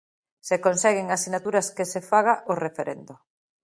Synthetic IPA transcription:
sekonsɛɣɪŋasinat̪uɾɐskesefaɣ̞aʔorefeɾʔend̪ʊ

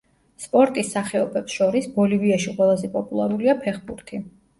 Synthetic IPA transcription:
spʼɔɾt̪ʼisːaχɛɔbɛpsʃɔɾisb̥ɔliviaʃiqʼwɛlˠazɛpʼɔpʼulˠa̰ɾuliapʰɛχbuɾt̪ʰi

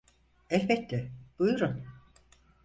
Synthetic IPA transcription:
ɛfbɛt̪lɛb̥ujuɾun

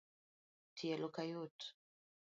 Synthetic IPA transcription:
tʰiɛlokajot

